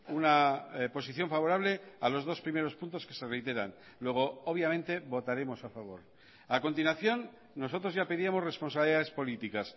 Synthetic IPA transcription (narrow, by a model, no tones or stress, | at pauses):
unapo̞siθjo̞ɱfaβo̞ɾaβle̞alo̞zð̞o̞spɾime̞ɾo̞spunt̪o̞ske̞̥se̞re̞jt̪e̞ɾa̰n | lwe̞ɣ̞o̞oβ̞jamẽnt̪e̞βo̞t̪aɾe̞mo̞safaβ̞o̞̰ɾ | ako̞nt̪inwaθjo̞nː | o̞so̞t̪ɾo̞zʝape̞ðiamo̞sre̞sponsaβliðaðe̞spo̞lit̪ikas